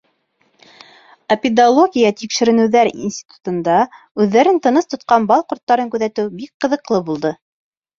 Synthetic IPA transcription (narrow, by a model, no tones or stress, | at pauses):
ɐpʲɪd̪alˠoɡʲijət̪ikʃɘ̆ɾɘ̆nɘ̆wðæɾḭnsʲt̪ʲi̥t̪u̥t̪ɤ̆nd̪ɑ | ʉðːæɾɘnt̪ɤ̆nɤst̪ŏt̪qɑnbɑlˠqŭɾt̪ːɑɾɤŋkʉðæt̪ɘwbik̚qɤ̆ðɤ̆qlˠɤbulˠd̪ɤ